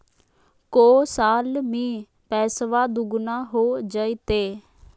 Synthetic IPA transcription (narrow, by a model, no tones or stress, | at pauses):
koːsaːlmĩː | pɛːsʋaːd̪ʊɡnaːɦoːd͡ʒəit̪eː